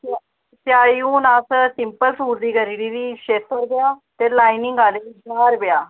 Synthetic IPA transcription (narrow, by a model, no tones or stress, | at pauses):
sɪaːiũːnaːssɪmpəlsuːɾd̪iːɡəɾiːɽiːɾiːʃeːt̪̚əɾbɪjaːt̪eːlaːinɪŋɡaːleːid͡ʒaːɾbɪjaː